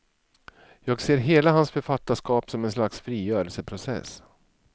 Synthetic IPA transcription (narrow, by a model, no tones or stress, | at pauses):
jɑːɡseːɾɦeːlaɦansfœɾfat̪ːaʂkɑːpsɔmɛnslaksfɾiːjœːɾəlsəpʰɾʊsɛ̰s